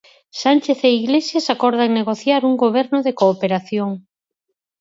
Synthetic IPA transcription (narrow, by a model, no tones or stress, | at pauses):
sanʲt͡ʃeθeiɣlesjasakɔɾð̞aŋneɣ̞oθjaɾuŋɡoβ̞ɛɾnʊðekoːpeɾaθjoŋ